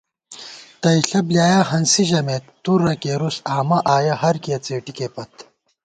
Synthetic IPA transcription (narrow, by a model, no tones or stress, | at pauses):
t̪ɐiɬɐbljaːjaːɦɐnsiʑɐmet̪ːuɾːɐkeːɾusaːmɐʔaːjɐɦɐɾkjɐt͡seːʈikeːpɐt̪